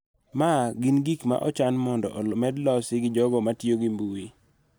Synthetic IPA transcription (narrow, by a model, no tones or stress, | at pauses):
maɡinɡikma̰ʔɔt͡ʃanmɔndɔ̰ʔmɛdlɔsɪɡɪd͡ʒɔɡɔmatjoɡimbuwi